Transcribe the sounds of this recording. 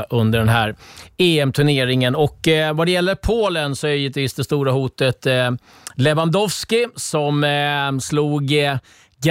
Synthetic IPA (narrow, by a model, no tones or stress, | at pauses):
ʔɵnd̪əɖɛnɦæːɾeːɛmt̪ʰɵɳeːɾɪŋənɔkːvad̪ɛjɛlːəɾpʰoːlənsɔɛɾjɪt̪viːsd̪ɛst̪uːɾahuːt̪ət̪ | lɛvand̪ɔvskɪsɔmsluːɡ | ɡ